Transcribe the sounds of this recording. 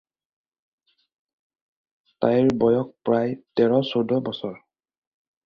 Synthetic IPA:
tajɹbɔjɔk̚pɹajtɛɹɔsodɔbɔsɔɹ

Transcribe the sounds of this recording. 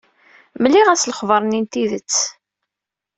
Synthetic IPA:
mlːiʁæsləχvəɾˤnint̪iðət͡sː

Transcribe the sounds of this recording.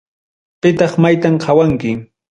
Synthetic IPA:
pɪt̪ɑχmajt̪amqʰɑwaŋkɪ

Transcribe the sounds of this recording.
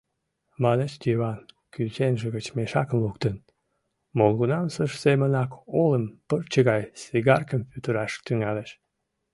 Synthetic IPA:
mɑneʃd̪ʲiβɑn | kylt͡ɕenʒəɣət͡ɕmeʃɑkəmlukt̪ən | molɣunɑmsəʃsemənɑkoləmpərt͡ɕəɣɑjsiɣɑrkəmpyt̪əɾɑʃt̪yŋɑleʃ

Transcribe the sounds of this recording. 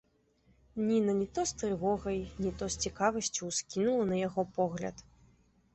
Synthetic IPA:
nʲinɐnʲit̪ɔst̪ɾɨvɔɣɐjnʲit̪ɔsʲt͡sʲikavɐsʲt͡sʲuwskʲinulˠɐnɐjaɣɔpɔɣlʲɐ̰t̪

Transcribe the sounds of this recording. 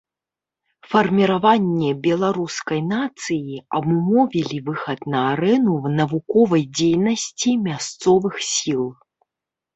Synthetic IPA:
fɐrmʲiɾavanʲːɛbʲɛlˠaɾuskɐjnat̪sɨjiɐbumɔvʲilʲivɨxɐt̪nɐaɾɛnunɐvukɔvɐjd͡zʲejnɐsʲt͡sʲimʲast̪sɔvɨxsʲilˠ

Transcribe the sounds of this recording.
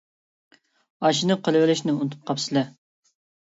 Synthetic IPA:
ɑʃ̬inɨqʰəlˠɨwɪlɪʃnɪunt̪ʰʊ̥p̚qʰɑpsɨlɛ

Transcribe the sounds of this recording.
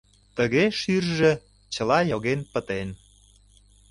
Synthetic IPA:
t̪əɣeʃyrʒĕ | t͡ɕə̆lɑjoɣenpət̪en

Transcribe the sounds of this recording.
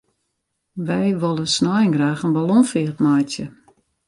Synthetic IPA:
ʋɛjʋolˠəsnɔjəŋɡraːxənbalɔnfiətmajtjə

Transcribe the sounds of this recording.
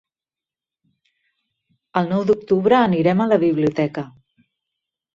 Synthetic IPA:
əlˠnɔwd̪uk̚t̪uβɾəːniɾɛmələβiβliut̪ɛkə

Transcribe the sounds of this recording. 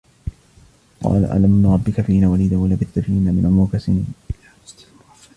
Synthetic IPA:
qɑ̰ːla̰ʔa̰lamnɾˤɑbːɪkafiːnaːwaliːd̪awalabɪt̪ːafiːnaːmɪnʔmʊkasɪnin

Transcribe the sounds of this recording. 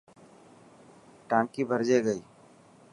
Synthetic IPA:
ʈãːkiːbʱəɾd͡ʒeɡəiː

